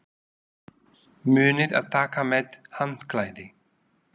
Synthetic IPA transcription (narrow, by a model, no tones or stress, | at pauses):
myːnit̪a̰t̪akamɛt̪hant̪klajd̪i